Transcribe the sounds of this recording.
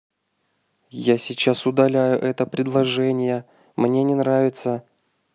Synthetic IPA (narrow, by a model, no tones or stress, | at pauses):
jasʲɪt͡ɕasʊd̪ɐlʲæjʊʔɛt̪əpɾʲɪd̪lˠɐʐɛnʲɪjə | mnʲe̞nʲɪnravʲɪt̪sə